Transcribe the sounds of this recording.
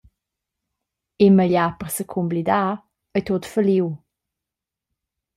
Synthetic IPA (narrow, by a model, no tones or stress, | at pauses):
eməʎapərsəkʰumblid̪a | əjt̪ot̪fəliw